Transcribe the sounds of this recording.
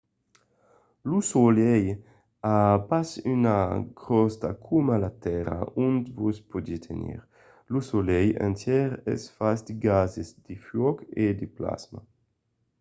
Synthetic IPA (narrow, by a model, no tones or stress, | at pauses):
lusolɛj | apasynaɡʁɔst̪akʰumalat̪ɛɾa̰ʔunt̪vuspod̪it̪ʰenḭʁ | lusolɛjɛ̰nt̪jɛʁɛ̰sfasd̪iɡazezd̪̥ifjɔked̪ipla̰zma̰